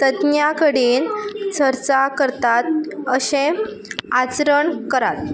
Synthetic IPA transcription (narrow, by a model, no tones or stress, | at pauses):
t̪əd̪njakəɽiːnt͡səɾt͡sakəɾt̪at̪̚əɕẽ | at͡sɾəɳkəɾat̪̚